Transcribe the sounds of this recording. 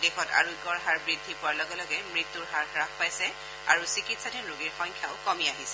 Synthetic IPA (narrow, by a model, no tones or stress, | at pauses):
dɛxɔta̰ɹuikɔɹɦaɹbɹidʱipʊwaɹlɔɡɛlɔɡɛmɹit̪ːuɹɦaɹxɹakpajsɛ | aɹusikitsadʱinɹuɡiɹxɔjŋkʰjaʊkɔmiaɦisɛ̥